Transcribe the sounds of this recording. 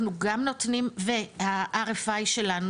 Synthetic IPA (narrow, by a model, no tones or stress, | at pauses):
nuɡamnot̪nimvehaʔaʁefajʃe̞lan